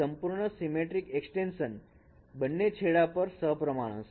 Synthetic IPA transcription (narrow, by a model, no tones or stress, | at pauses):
əmpuɾɳ̃əsimeʈɾikeksʈenʃən | bənːet͡ɕʰeɭapəɾsəɦpɾəmaɽ̃ə̰̃s